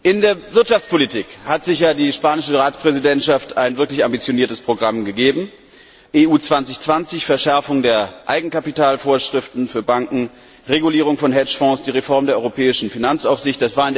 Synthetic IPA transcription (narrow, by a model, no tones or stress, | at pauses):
ʔɪndeːɐvɪɐtʃaft͡spʰolitʰiːkhatz̥ɪçaːdiːʃpaːnɪʃəʁaːt͡spʁ̥ɛzidɛntʃaftʰaɪnvɪɐklɪçambit͡sjoniːɐtəspʁ̥oɡʁamɡəɡeːbm̩ | ʔeːuːt͡sv̥ant͡sɪçt͡sv̥ant͡sɪçfɛɐʃɛɐfʊŋdeːɐʔaɪɡŋ̩kapitaːlfoːɐʃʁ̥ɪftn̩fyːɐbaŋkŋ̩ | ʁeɡuliːʁ̞ʊŋfɔnɦɛt͡ʃfɔ̃sd̥iːʁefɔɐmdeːɐɔʏʁopʰɛːɪʃn̩finant͡saʊfz̥ɪçt̚d̥asv̥aːɐɪnd